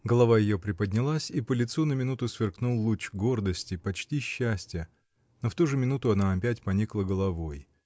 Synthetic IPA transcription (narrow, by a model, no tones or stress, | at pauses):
ɡəlˠɐvajɪjopɾʲɪpədʲnʲɪlˠasʲipəlʲɪt̪sunəmʲɪnut̪ʊsvʲɪrknulˠːut͡ɕɡo̞rd̪əsʲtʲɪpɐt͡ɕtʲiɕːæsʲtʲjə | no̞ft̪uʐɨmʲɪnut̪ʊɐnaɐpʲætʲpɐnʲiklˠəɡəlˠɐvo̞j